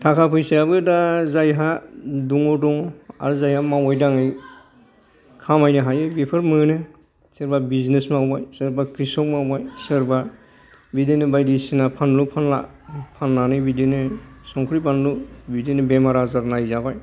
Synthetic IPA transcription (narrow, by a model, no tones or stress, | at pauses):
tʰakʰapʰɯjsijabɯdazajɦaduŋɔdɔŋa̰ɾɯzajhamawajdaŋɯj | kʰamajnɯɦajɯbipʰɯɾmɯnɯ | seɾbabiznesmawbajsɯɾbakɾisɔk̚mawbajsɯɾbaɾ | bidenɯbajdisinapʰanlupʰanla̰ | pʰanlanɯbidenɯsɔŋkʰɾipʰanlubidenɯbemaɾazaɾnajzabaj